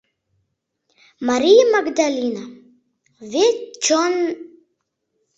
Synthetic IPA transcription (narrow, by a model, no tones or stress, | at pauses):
maɾijmaɡd̪alina | vet͡ʃɔn